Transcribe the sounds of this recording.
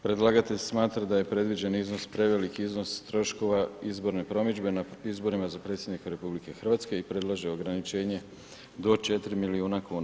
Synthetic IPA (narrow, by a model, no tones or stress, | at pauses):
pɾed̪laɡat̪e̞ʎsmaːt̪ɾad̪aje̞pɾe̞d̪ʋid͡ʒe̞nizno̞spɾe̞ʋelikiiznost̪ɾo̞ʃko̞ʋaizbo̞ɾnepɾo̞mid͡ʒbe̞naizbo̞ɾimazapɾe̞t̪sje̞d̪nikaɾe̞publike̞xər̩ʋat̪ske̞ipɾe̞d̪lˠaʒeo̞ɡɾanit͡ʃe̞ːɲe̞ | d̪o̞t͡ʃe̞t̪ɾimiliuːnakuːn